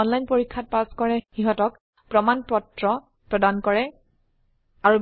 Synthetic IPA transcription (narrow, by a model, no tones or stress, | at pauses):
ɔnlajnpoɹikʰːat̚paskɔɹɛxiɦɔtɔk | pɹɔmanpɔtɹɔ | pɹɔdankɔɹɛ | aɹu